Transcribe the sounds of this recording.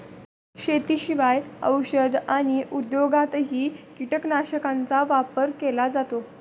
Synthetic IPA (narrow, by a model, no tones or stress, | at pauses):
ɕet̪iɕiʋajə̰wɕəd̪ʱaɽ̃iʔud̪joɡat̪ɦiːkiʈəknaɕəkant͡saʋapəɾkelad͡zat̪o